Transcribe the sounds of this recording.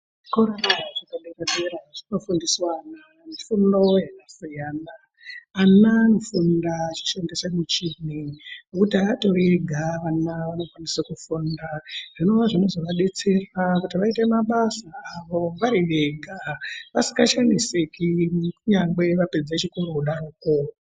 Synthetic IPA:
ʐi̥koɾonaʐaʐakaɓeraɓe̞ɾaʐino̞fundiswana | nifundo̞jakasijaːnaː | nanofundat͡ʃi̥ʃendesamut͡ʃininokutiaato̞ɾeɡʱaʋanaʋano̞kwanisakufundaʐ̥ino̞ʋaʐino̞zoʋaɓe̞t͡se̞rakutiʋaite̞maɓasaːʋo̞ʋaɾiʋe̞ɡʱaʋasi̥ɡaʃanisekikuɲaŋɡwe̞ʋape̞d͡zat͡ʃiko̞ɾo̞uɗaruːko

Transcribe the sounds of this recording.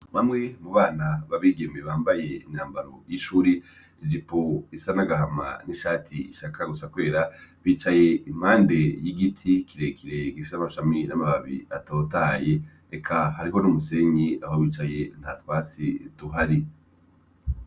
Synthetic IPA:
mamŋemuβaːnaβaβiːɡe̞meβaːmbaje̞iɲaːmbaɾo̰jiʃuːɾi | id͡ʒipoisanaɡaɦama̰niʃaːtʰiiʃakʰaɡusakwe̞ːɾaβiːt͡ʃaje̞im̥haːnde̞jiɡitʰikʰiɾe̞kʰiɾe̞ɡifi̥samaʃaminamaβaβḭa̰to̞ːtaːje | ekʰahaɾiɦo̞numuse̞ɲiahowiːt͡ʃaje̞n̥hatwaːt͡sḭtuɦaɾi

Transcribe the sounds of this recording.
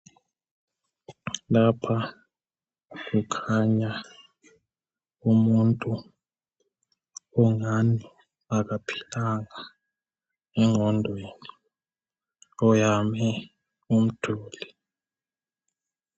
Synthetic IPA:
lapʰa | k̬ukʰaɲa | umuntʼu | ɔŋani | akapʰi̥laŋa | ɛŋʱɔndʱweːni | ɔjamɛ | um̩tʰuːli

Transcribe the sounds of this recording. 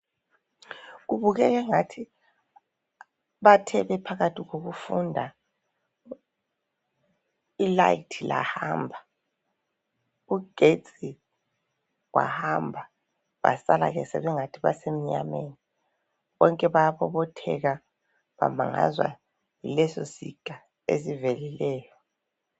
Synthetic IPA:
ɣuβuɣɛɣɛŋatʰi | βatʰɛβɛpʰaɣatʰiɣoɣufundʱa | ilaitʰila̰hambʱa | uɡ̥ʱet͡sʼi | wa̰hambʱa | βa̰sala̰ɣɛsɛβɛŋatʰiβasem̩ɲa̰meni | βɔŋkʼɛβajaβɔβɔtʰɛ̰ɣa | βama̰ŋa̰zwa̰ | jilɛso̰siɡ̥ʱʼa | ḛsivelilɛːjɔ

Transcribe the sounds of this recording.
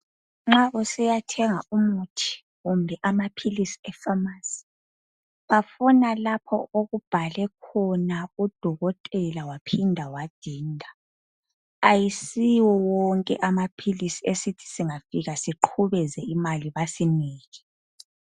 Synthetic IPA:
ŋ͡ǁaʔusɛjatʰɛŋaumutʰi̥ | ɣumbʱɛʔamapʰilisi̥ɛfamasi̥ | βafunalapʰɔoɣub̥ʱalɛkʰɔnaud̥ʱɔɣɔtʼɛlawapʰindʱawad̥ʱiːndʱaː | jisiwɔwɔŋkʼɛʔamapʰilisiesitʰi̥siŋafiɣasiǃʰuβɛzɛimaliβasiniːɣɛ

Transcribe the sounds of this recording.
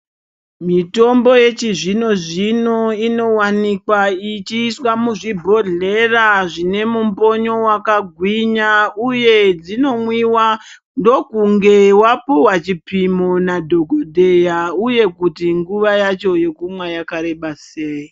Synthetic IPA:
mito̞mbo̞je̞t͡ʃiʐino̞ʐino̞ino̞wanikwait͡ʃiːswamuʐibʱo̞ɮe̞raʐine̞mumbo̞ɲo̞wakaɡʱwiɲauje̞d͡zino̞mwiwa | ndo̞kuŋɡe̞wapuwat͡ʃipimonadʱo̞ɡʱodʱe̞jauje̞kutiŋɡuʋajat͡ʃo̞je̞kumwajakaɾe̞ɓaseːji

